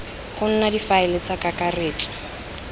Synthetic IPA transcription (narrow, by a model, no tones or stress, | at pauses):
χʊn̩nadifaɪlɪt͡sakakareːtʼḁ